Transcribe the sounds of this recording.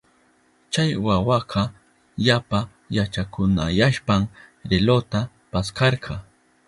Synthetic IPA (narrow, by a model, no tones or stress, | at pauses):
t͡ʃajwawɑqʰɑ | ʎapa | jat͡ʃakʊna̰jaʃpam | ɾelot̪a | paskɑɾqʰɑ